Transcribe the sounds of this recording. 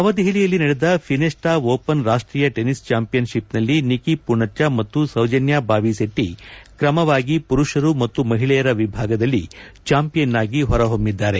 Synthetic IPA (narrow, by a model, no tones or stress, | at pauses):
ɐʋɐd̪iɦiɭijɐlːinɐɽed̪ɐpʰinesʈaːʋoːpɐnɾaːʂʈɾiːjɐʈenist͡ʃaːmpijɐnʃipnɐlːinikipuɳɐt͡ʃːamɐt̪ːusɐwd͡ʒɐnjaːbaːʋiseʈːikɾɐmɐʋaːɡipuɾuʂɐɾumɐt̪ːumɐɦiɭɛjɐɾɐʋibʱaːɡɐd̪ɐlːit͡ʃaːmpijɐnːaːɡiɦɔɾɐɦombid̪ːaːɾe